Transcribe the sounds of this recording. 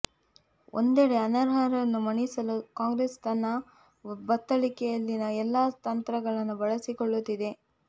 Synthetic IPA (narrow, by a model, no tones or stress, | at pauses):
ʔo̰nd̪eɽeɐnɐɾɦɐɾɐnːumɐɳisɐlukaːŋɡɾest̪ɐnːɐ | bɐt̪ːɐɭikɛjɐlːinɐɛlːaːt̪ɐnt̪ɾɐɡɐɭɐnːubɐɭɐsikoɭːut̪ːid̪e̞